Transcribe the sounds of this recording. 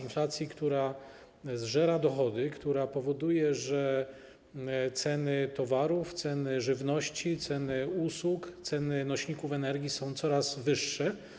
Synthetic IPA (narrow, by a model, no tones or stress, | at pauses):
inflat̪sʲjikt̪uɾa | zʐɛɾad̪ɔxɔd̪ɘkt̪uɾapɔvɔd̪ujɛʐɛ | t̪sɛnɘt̪ɔvaɾuft̪sɛnɘʐɘvnɔɕt͡ɕit̪sɛnɘuswukt̪sɛnɘnɔɕɲikufɛnɛɾɡʲjisɔ̃w̃t̪sɔɾazvɘʂːɛ